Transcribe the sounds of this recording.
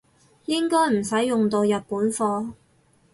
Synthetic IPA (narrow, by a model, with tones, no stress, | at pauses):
jɪ˥ŋkɔː˥jm̩˨˩sɐ˨˥jːʊ˨ŋt̪o˧wjɐ˨t̚puː˨˥nfɔː˧